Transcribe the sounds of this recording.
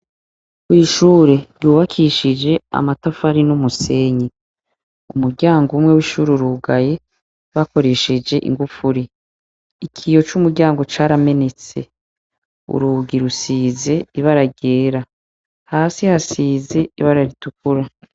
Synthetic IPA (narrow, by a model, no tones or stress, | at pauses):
kwiiʃuːɾe̞ɾjuːβakʰiʃid͡ʒe̞a̰matafaɾinumuse̞ɲi | umuɾɟaːŋɡumŋe̞wiʃuːɾiɾuɡaje̞ | βako̞ɾe̞ʃed͡ʒe̞ʔḭŋɡufuɾi | ikʰijo̞t͡ʃumuɾɟaːŋɡo̞t͡ʃaːɾame̞ne̞t͡se̞̰ | ṵɾuɡiɾusiːze̞iβaɾaɟe̞ːɾa | haːsihasiːze̞iβaɾaɾituk̚uɾa